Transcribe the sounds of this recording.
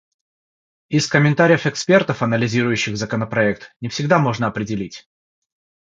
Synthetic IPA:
ɪskəmʲɪnt̪aɾʲɪjəfɛkspʲe̞rt̪əfɐnəlʲɪzʲiɾʊjʉɕːɪɣzəkənəpɾɐɛk̚t̪nʲɪfsʲɪɡd̪amo̞ʐnəɐpɾʲɪdʲɪlʲitʲ

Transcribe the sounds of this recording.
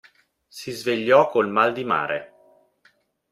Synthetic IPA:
sizveʎːɔkːolmald̪ima̰ːɾḛ

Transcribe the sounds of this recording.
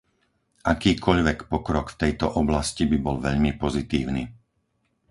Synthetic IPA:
ʔakiːkʰɔʎʋɛkpɔkɾɔkft̪ɛjt̪ɔʔɔblascibibɔlʋɛʎmipɔzit̪iːʊniː

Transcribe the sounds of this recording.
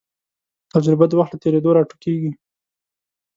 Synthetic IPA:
t̪ad͡ʒɾɪbad̪əwaxt̪lət̪eɾed̪oɾɑʈo̥keɡi

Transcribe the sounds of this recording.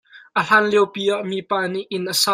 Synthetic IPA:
ʔəl̥anliɛwpiːʔaʔmiːpaːniʔɪnʔəsa

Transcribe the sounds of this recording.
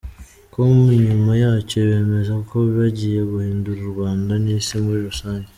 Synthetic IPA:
komuɲumajat͡ʃeβe̞ːme̞zakʰoβaɟijeβuhiːnduɾuɾuβaːndanisimuɾiɾusaːɲɡe

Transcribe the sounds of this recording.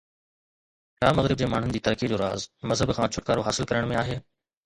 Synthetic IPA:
ʈaːmɐɣɾɪb̚d͡ʑeːmaːɳ̤ʊnɪd͡ʑiːt̪ɐɾkid͡ʑoːɾa̰ːzmɐzɦəbkʰãːt͡ɕʰʊʈkaːɾoɦaːsɪlkɐɾəɽ̃mẽaːɦeː

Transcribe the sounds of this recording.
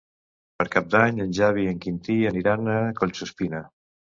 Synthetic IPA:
pəɾkap̚d̪aɲənʲʒaβiəŋkint̪iəniɾanəkoʎʲsuspinə

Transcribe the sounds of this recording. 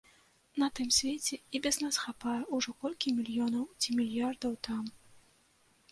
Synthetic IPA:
nɐt̪ɨmsʲvʲɛt͡sʲɛibʲɛznasxapajɛʔuʐɔkɔlʲkʲimʲilʲjɔnɐwt͡sʲimʲilʲjard̪ɐwt̪am

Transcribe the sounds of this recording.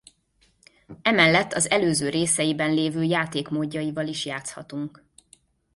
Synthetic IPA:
ɛmɛlːɛt̪ːɒzɛløːzøːɾeːsɛjibɛnleːvøːjaːt̪eːkmoːɟːɒjivɒliʃjaːt̪shɒt̪uŋk

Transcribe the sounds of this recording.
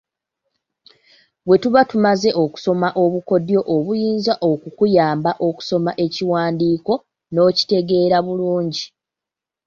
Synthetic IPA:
βwe̞tuβatumaze̞ʔo̞ku̥so̞maʔo̞βuko̞djo̞ʔoβujiːnzaʔokukujaːmbaʔo̞ku̥so̞maʔe̞ciwaːndiːko̞ | no̞ːci̥te̞ɡe̞ːɾaβuluːɲɟi

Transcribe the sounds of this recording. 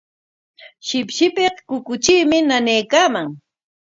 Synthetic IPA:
ʃɪpʃɪpeχkʊkʊt͡ʃiːmɪnanejkaːmaŋ

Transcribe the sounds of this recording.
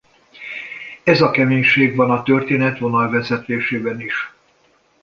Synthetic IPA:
ɛzɒkɛmeːɲʃeːɡvɒnɒt̪ørt̪eːnɛt̪ʋo̞nɒlvɛzɛt̪eːʃeːbɛniʃ

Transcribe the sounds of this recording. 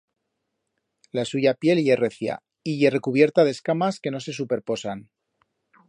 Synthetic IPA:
lasuʝapje̞lje̞re̞θja̰ | iʝere̞kuβ̞je̞ɾt̪að̞e̞skamaske̞no̞se̞s̬upe̞ɾpo̞san

